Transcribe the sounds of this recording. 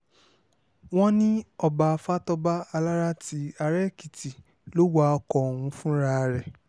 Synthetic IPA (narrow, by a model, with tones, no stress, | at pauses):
w̃ɔ̃˦nĩ˦ɔ˦ba˨˧fa˦tɔ˧ba˦a˧la˦ɾa˦ti˨˦a˧ɾɛ˦˨ki˨ti˨ | lo˨˦wa˦ɔ˧kɔ˨o˨wũ˧˦fũ˦ɾa˦˧˨ɾɛ˨